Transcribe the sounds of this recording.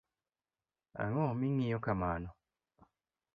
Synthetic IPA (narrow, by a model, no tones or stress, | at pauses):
a̰ŋomiŋːijokamaːno